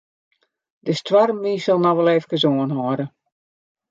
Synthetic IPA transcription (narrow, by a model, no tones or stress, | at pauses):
dəstwaɾəmiːsɔlˠnɔʋɛlˠeːfkəzoənɦɔɾə